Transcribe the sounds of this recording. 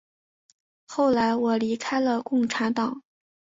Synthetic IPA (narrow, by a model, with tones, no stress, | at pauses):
xo˥˩ʊla˧˥ɪwɔ˨˩li˧˥kʰa˥ɪlə˧kʊ˥˩ŋʈ͡ʂʰa˧˥nt̪ɑ˨˩˦ŋ